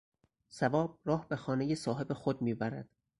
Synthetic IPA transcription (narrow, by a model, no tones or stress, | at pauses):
sævɒːb̥̚rɒːhbe̞xɒːnejesɒːɦe̞be̞xod̪miːbæɾæ̰d̪̥